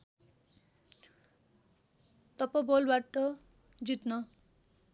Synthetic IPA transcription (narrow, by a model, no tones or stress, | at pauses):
t̪ʌpabolbaʈʌ | d͡zit̪nʌ